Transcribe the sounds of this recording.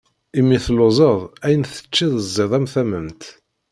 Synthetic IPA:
imːiθlozˤəðˤæjənθə̥t͡ʃːiðəzːɪðˤæmθæməmt̪

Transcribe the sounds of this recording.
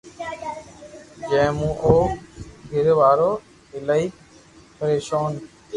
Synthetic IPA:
d͡ʒẽːmũːʔoːkɡʱɪɾʋaːɾoː | ɪlaːiːk | pəɾeːʃoːn

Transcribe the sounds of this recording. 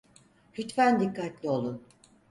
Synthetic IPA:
hyt̪fænd̪ikːat̪lʲio̞lˠun

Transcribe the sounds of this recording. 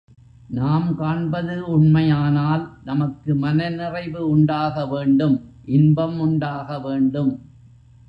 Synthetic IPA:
naːmkaːɳbɐðɯʊɳmɐjaːnaːlnɐmɐkːɯmɐnɐnɪrɐɪʋɯʊɳɖaːɣɐʋeːɳɖɯmʔɪnbɐmʊɳɖaːɣɐʋeːɳɖɯm

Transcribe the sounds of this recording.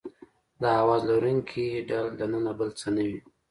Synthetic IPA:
d̪əhawɑzloɾuŋkʰiɖald̪anənabəlt͡sənəwi

